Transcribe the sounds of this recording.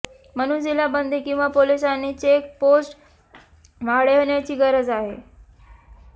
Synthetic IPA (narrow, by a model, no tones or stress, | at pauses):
m̤əñuːnd͡ʑilabənd̪ʱekĩw̃ʋapolisanit͡ɕek̚posʈ | ʋ̤aɽeoɳjat͡ɕiːɡəɾəd͡zaɦe